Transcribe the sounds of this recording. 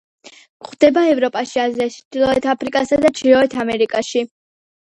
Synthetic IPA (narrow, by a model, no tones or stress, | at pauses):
χd̪̥ɛbaɛvɾɔpʼaʃiaziat͡ʃʰd̪̥ilˠɔɛt̪ʰapʰɾikʼasad̪at͡ʃʰiɾɔɛt̪ʰamɛɾikʼaʃi